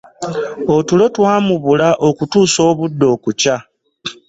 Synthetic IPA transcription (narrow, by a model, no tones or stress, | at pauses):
o̞tulo̞twaːmuβulaʔokutuːso̞ːβudːo̞ːkuca